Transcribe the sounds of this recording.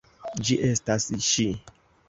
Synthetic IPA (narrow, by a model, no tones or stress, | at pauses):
d͡ʒiʔestasʃi